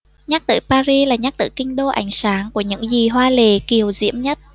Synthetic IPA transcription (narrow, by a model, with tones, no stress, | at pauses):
ɲa˦˥k̚t̪ɨ̰˧˩paː˧zi˧laː˨˩ɲa˦˥k̚t̪ɨ̰˧˩kï˧ŋ̟ɗo˧ʔa˧˩jŋ̟saː˨˦ŋku˧˩əɲɨ̰˧˥ŋzi˨˩ɦwaː˧le˨˩ki˨˩əwzḭ˧˥əmɲə˦˥t̚